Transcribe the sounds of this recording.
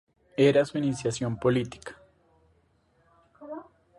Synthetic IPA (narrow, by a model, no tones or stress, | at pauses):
eɾasuinisjasjompo̞lit̪i̥kḁ